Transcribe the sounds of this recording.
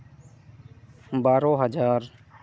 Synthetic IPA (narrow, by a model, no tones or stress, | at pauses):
baːɾoːɦəd͡ʒaːɾ